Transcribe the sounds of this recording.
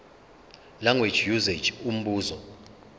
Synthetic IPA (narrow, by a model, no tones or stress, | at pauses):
laŋɡwe̥d͡ʒjuze̥d͡ʒum̩ɓuːzɔ